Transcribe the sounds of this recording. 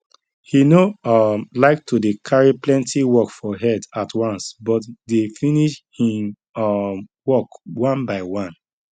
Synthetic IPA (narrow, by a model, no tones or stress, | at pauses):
hinomlaɪk̚tʰodekʰaɹiplɛ̃ntʰiwɔkfɔɦɛdatwãnsbɔtdefiniʃhĩm | wɔkwãnbaɪwãn